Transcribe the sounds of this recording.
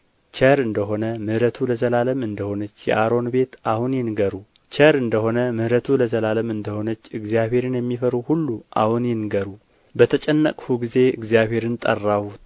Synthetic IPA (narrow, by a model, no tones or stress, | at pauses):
t͡ʃəɾɨnd̪əɦo̞nəmɨhɾət̪ʰuləzəlaləmɨnd̪əho̞nət͡ʃːjɛ̰ʔaɾo̞nbe̞t̪ahunjɛnɡəɾu | t͡ʃəɾɨnd̪əho̞nəmɨhɾət̪ʰuləzəlaləmɨnd̪əho̞nət͡ʃːɨɡzijaβe̞ɾɨnjɛmːifəɾuhulːuʔa̰hunjɛnɡəɾu | bət̪ʰət͡ʃʼɛnːə̰kʼhuɡize̞ɨ̰ɡzjaβhe̞ɾɨnt̪ʼə̰rːahu